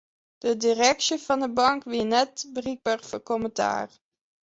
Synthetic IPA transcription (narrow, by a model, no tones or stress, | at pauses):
d̥ədirɛksjəfɑndəbɑŋkʋiənɛt̚bərik̚bərfəkoməta̰ːr